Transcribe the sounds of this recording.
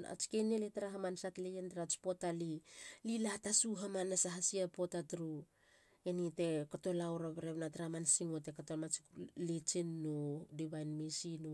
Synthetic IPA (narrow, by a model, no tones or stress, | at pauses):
a̰t͡ʃi̥keneletaɾaɦamansatlejentaɾat͡ʃpo̞talililatasuɦamanːasaɦasiapo̞tatɾu | enite̞koto̞lawɾaβeɾeβnataɾamansiŋote̞katolmat͡ʃi̥lit͡ʃinːodiβajnmisinu